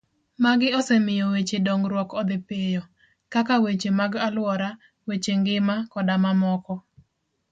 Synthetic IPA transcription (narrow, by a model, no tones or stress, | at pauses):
maɡɪɔsɛmɪjɔwet͡ʃedɔŋɡɾwɔkɔd̪ɪpejɔ | kakawet͡ʃemaɡalwɔɾa | wet͡ʃeŋɡɪmakɔdamamɔkɔ